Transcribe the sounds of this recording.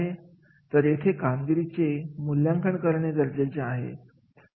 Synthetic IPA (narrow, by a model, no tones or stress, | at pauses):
ɦe | t̪əɾjet̪ʰekamɡiɾit͡semuljãŋkʰəɳkəɾɳed̪əɾd͡zet͡seaɦḛ